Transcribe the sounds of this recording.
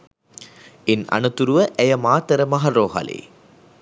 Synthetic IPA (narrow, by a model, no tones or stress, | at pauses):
ɪnɐ̰nɐt̪uɾuʋɐʔɛjɐmaːt̪ɐɾɐmɐɦɐɾoːɦɐ̰lḭ